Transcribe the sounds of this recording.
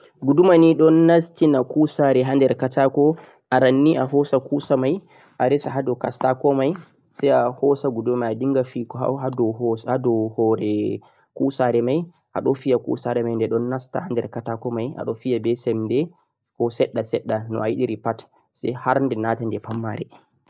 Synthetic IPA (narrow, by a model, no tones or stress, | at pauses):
ɡudumaniɗɔnːastinakusaɾɛɦandɛɾkatakɔ | ʔaɾanːiʔaɦɔsakusamaj | ʔaɾɛsaɦadɔkastakɔmaj | sɛjahɔsaɡudumamajadiŋɡafikɔɦa̰adɔhadɔhɔɾɛ | kusaɾɛmaj | ʔa̰ɗɔfijakṵsaɾɛmajndɛɗɔnːasta̰handɛɾkatakɔmaja̰ɗɔfijabɛsɛmdɛ | kɔsɛɗːasɛɗːanɔ̰ajiɗiɾipat | sɛ̰haɾndɛnatandɛpamːa̰ɾɛ